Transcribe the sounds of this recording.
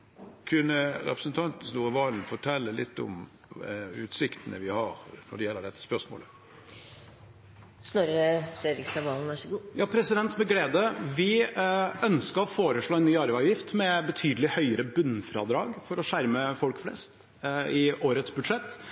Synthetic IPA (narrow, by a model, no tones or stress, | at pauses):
kʰʉnːəɾɛ̰pɾəsnt̪ʰɑnt̪n̩snuːɾəʋɑːln̩fɔʈʰɛlːəlɪt̪ːɔ̰m | ʉ̰ːt̪sɪkt̪ənə̰ʋɪhɑɾnɔɖɛjɛlːəɖɛt̪ːə̥spœʂmo̰ːlə | snɔɾəsøɾɪkst̪ɑʋɑːln̩æʂɡuːjɑːpʰɾɛsɪd̪ɛnt̪mɛɡleːd̪əʋɪ | œnskəɾɔfoːɾəʂɭoːɛnnyːɑɾʋæɑʋjɪft̪mɛbət̪ʰyːd̪əlɪhœʏəɾəbʉnːfɾɑ̰ːd̪ɾɑːɡfɔɾɔʂæɾməfɔlkflɛ̰st̪ | ɪʔoːɾət̪sbʉd̪ʂɛt̪ː